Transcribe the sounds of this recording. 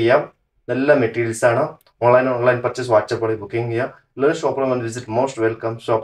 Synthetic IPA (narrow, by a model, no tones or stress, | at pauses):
jaː | nɐlːɐmeʈiːɾjɐlsaːɳɐ | oːnlɐjnoːnlɐjnpɐt͡ʃɐs̬ʋaːʈ̚t͡ʃɐpːɐɽibukiŋɡja | lɐːnsoːpɾɐmɐnd̪ʋiziʈmoːsʈʋelkɐmsoːk